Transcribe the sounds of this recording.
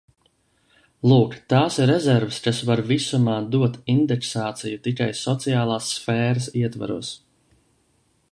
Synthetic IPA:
lˠuːkt̪aːsiɾɾɛzɛɾvəskasvaɾvisumaːd̪uɔt̪ind̪ɛksaːt̪sijut̪ikajsɔt̪sijaːlˠaːsːfɛːɾasiɛt̪va̰ɾṵɔs

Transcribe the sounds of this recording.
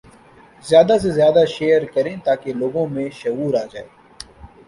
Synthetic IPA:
zjaːd̪as̬ezjaːd̪aʃeːɾkəɾẽːt̪aːkeloːɡõmẽːʃəɦuːɾaːd͡ʒaːeː

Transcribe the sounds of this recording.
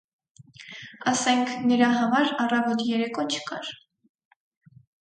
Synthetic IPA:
ɑsɛŋkʰnəɾɑɦɑmɑɾɑrɑvɔt̪jɛɾɛkʰɔt͡ʃʰə̥kɑ̰ɾ

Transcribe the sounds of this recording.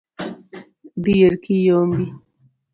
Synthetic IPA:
d̪ijəɾkijombi

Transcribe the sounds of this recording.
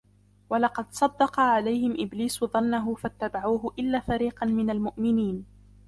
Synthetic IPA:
wɑlɑqɑd̪sˤɑd̪ːɑqɑʕalajhɪmʔɪbliːsðˤɑnːaɦʊfat̪ːabaʕuːɦʊʔɪlːaːfaɾiːqɑnmɪnalmʊʔmɪniːn

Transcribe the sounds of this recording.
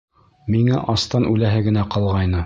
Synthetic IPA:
miŋæʔɑst̪ɑnʔʉlæɦɘɡɘ̆næqɑlˠʁɑjnɤ

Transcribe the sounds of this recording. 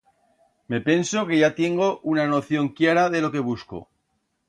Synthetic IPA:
me̞pe̞nso̞ke̞ʝat̪je̞ŋɡo̞ʔunanoθjo̞ŋkjaɾaðe̞lo̞ke̞β̞usko̰

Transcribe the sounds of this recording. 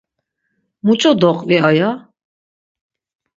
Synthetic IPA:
mut͡ʃʼɔd̪ɔqʼviaja

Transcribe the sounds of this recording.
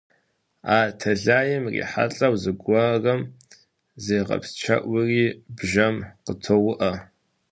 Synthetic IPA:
aːtʰɐɮaːjɪmrḭːħa̰ɬʼɐwzɨɡʷɐrɐm | zejʁɐ̰pst͡ʃʰɐ̰ʔʷʊriːbʒɐmqətʰowʊʔɐ

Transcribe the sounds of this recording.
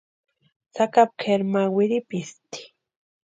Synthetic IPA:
t͡sakap̚kʰeɾmawɪɾipist̪i̥

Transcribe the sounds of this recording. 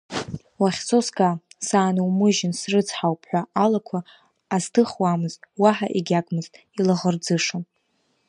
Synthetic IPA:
waχʲt͡sʰʼoskʼasaːnuwmɨʒɪnsrɨt͡sʰħawpʰħʷᶣaalakʷʰaː | ztʰɨχwamɨztʼwaħa̰ʔiɡʲakʼmɨztʼ | ilaʁərd͡zɨʂon

